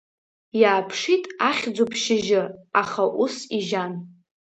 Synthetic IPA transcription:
jaːpʰʂitʼaχʲd͡zopʰʃɪʒɪaχaʔusiʒan

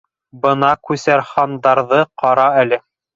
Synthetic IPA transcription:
bɤnɑkʉsæɾχɑnd̪ɑɾðɤqɑɾɑælɘ

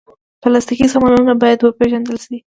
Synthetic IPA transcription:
pəlast̪ikisamɑnaunabɑjad̪wəpeʒand̪əlʃi

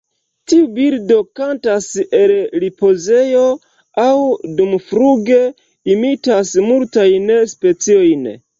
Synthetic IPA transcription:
tiubiɾdo̞kantaselɾipo̞ze̞jo̞ | awdumfɾuɡe̞ | imitasmultajnspe̞t͡sio̞jn

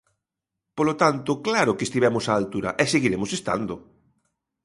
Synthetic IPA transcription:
polot̪ant̪ʊklaɾʊkest̪iβɛmʊsaːlt̪uɾɐ̰ʔɛseɣiɾemʊsest̪a̰nd̪ʊ

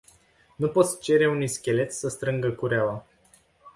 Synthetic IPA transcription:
nupo̞t̪sʲt͡ʃe̞ɾe̞uniskʲe̞le̞t̪sʲsəst̪ɾɨŋɡəkuɾeala

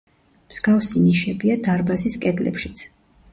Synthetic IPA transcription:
mz̥ɡafsiniʃɛbiad̪aɾbaziskʼɛd̪lɛ̰pʃit̪sʰ

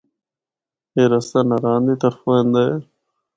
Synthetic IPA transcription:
eːɾəst̪aːnaɾaːnd̪iːt̪əɾfoɦẽːnd̪aːeː

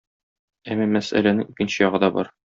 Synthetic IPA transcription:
æmːæmæsæ̰lænɘŋikɘ̆nɕɘjɒʁɤ̆d̪ɒbɒɾ

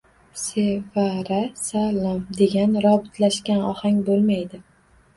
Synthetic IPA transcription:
sevaɾasalamd̪e̞ɡʲanɾɒbɪt̪ʰlaʃkʲanɒhaŋʲbolˠmajd̪ɪ

